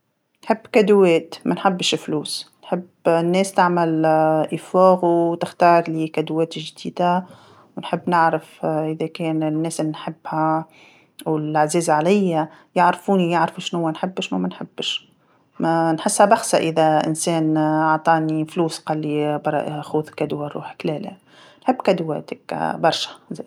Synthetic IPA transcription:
nħɪbːkæd̪wɛːt̪mænħɪbːʃfluːsnħɪb | nːɛːst̪aʕmalʔifaːɣut̪ɪxt̪ɑːɾˤlikæd̪wɛːt̪ʒd̪iːd̪a | wnħɪbːnɪʕɾɪfʔɪðækɛːnnːɛːslːinħɪbːhæ | wɪlʕziːzʕalɪjːæjəʕɾfuːnijəʕɾfʃnhʊwːænħɪbːʃnumænħɪbːʃ | mænħɪsːhæbɑxsaʔɪðæʔɪ̰nsɛːnɑʕt̪ˤɑːnifluːsqɑlːibɑɾˤːɑ̰ʔxuːðkæd̪waɾˤṵːħklɛːlɪ̰ | nħɪbːkæd̪wɛ̰ːt̪əkbɑɾˤʃæ̥z

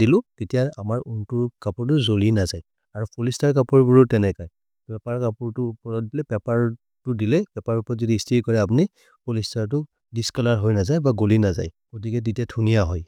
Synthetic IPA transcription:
dilʊ̃tetijaamaɹuntuɹkapɔɹt̬ʊzolinazaj | aɹupulistaɹk̬apɔɹbuɹutɛnɛkaj | pɛpaɹkapuɹtʊpɔɹɔt̚dilɛpɛpaɹ | tʊdilɛpɛpaɹupɔɹɔzɔdiːstʰiɹkɔɹɛap̬uni | pʰɔlistaɹtʊ | diskalaɹɦojnazajbaɡolinaza̰j | ɡ̥ot̬ikɛt̬etijatʰunijaɦɔj

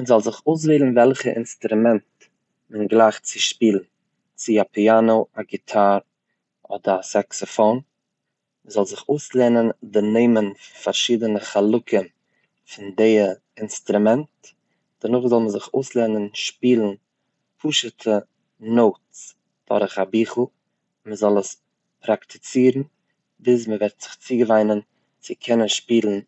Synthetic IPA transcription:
mənzɔlˠzɪχoʊs̬veɪlˠn̩vɛlˠχəʔɪ̰nstɾumɛnt | mənɡlˠaɪχt͡sɪʃpiːlˠn̩ | t͡sɪapianoʊaɡɪtʰaɾ | ɔ̰dəɾasɛksɔfon | zɔlˠzɪχoʊslɛːnəndɪneɪmənffaɾʃiːdənəχalˠʊkʰən | fɪndeɪə | ɪnstɾumɛnt | d̥ənʊχzɔlˠməzɪχoʊslˠɛnənʃpiːlˠn̩ | pʰuʃətʰə | noʊts | d̥ɔ̰ɾɪχabiːχl̩ˠ | məzɔlˠəs | pɾaktʰɪ̥t͡siːɾn̩ | bɪs̬məvɛɾtz̥ɪχt͡siːɡəvaɪnən | t͡sɪkʰɛnənʃpiːlˠn̩

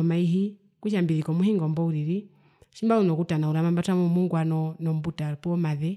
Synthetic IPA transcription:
ɔmaiɦi | kuʃ̬ambiðikɔmuɦiŋɡɔmbɔuɾiɾi | ʃimbaunɔkutanauɾamambatamɔmuŋɡwanɔnɔmbutapɔmaðɛ

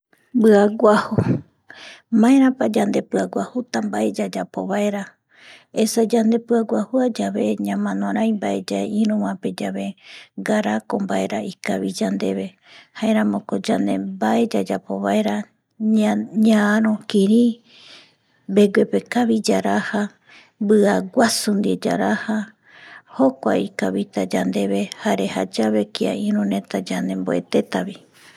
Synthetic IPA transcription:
bɨaɡʷahu | mãẽɾãpad͡ʒand̪e̞pɨaɡʷahut̪ambaʔe̞d͡ʒad͡ʒapo̰βae̞ɾa | esad͡ʒand̪e̞pɨaɡʷahuad͡ʒaβe̞ɲãmãnõɾ̃ãjmbaʔe̞d͡ʒaeʔĩɾũwãpe̞d͡ʒaβeɡaɾakombae̞ɾaikaβid͡ʒand̪e̞βe̞ | haẽɾ̃ãmõkod͡ʒand̪e̞̰baʔe̞d͡ʒad͡ʒapo̞̰βae̞ɾa | ɲãaɾ̃õkiɾi | be̞ɡwe̞pe̞kaβid͡ʒaɾaha | bɨaɡʷasund̪ied͡ʒa̰ɾaha | ho̞kʷaikaβit̪ad͡ʒand̪e̞βe̞haɾe̞had͡ʒaβe̞kia̰ĩɾũnẽ̞t̪ad͡ʒanẽ̞mboe̞̰t̪e̞t̪aβi

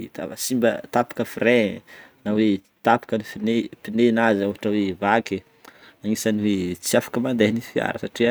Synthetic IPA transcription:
t̪a̰simbət̪apḁkəfirenawe | t̪apḁkənifinepinenazaɦaʈ͡ʂəwevake | aŋisaniwet͡siafḁkəmand̪enifia̰ɾəsaʈ͡ʂia

